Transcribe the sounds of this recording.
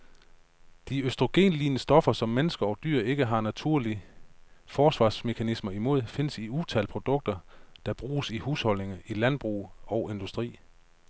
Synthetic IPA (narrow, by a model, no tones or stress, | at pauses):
d̥iøsd̥ʁo̝ɡ̥e̝̰ːnliːnəsd̥ɒ̽fɐsɒ̽mːenəsɡ̥ɐɒ̽d̥y̰ɐ̰e̝ɡ̥əɦɑ̈næt͡sʰuɐli | fɒːsʋɑ̈ːsme̝kʰænismɐimo̝ð̞̰ˠfe̝nəsiut͡sʰælpʰʁo̝d̥ɔ̽ɡ̥̚d̥ɐd̥ɑ̈b̥ʁuːsihuːshɒ̽l̰ne̝ŋɐʔilænb̥ʁṵːɒ̽ʊe̝nd̥usd̥ʁḭː